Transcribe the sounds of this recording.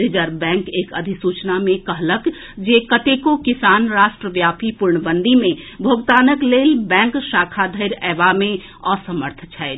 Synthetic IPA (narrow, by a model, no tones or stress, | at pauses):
ɾid͡ʒəɾbɛ̃ŋkeːkəd̪ʱisut͡ʃnamekəɦlək | d͡ʒekət̪ekokisanɾaʃʈɾəʋjapipuɾɳəbənd̪ʱimebʱoɡt̪anəklelbɛ̃ŋkʃakʰad̪ʱəɪɾɛbame | ɔsəməɾt̪ʰət͡ʃʰɛɪt̪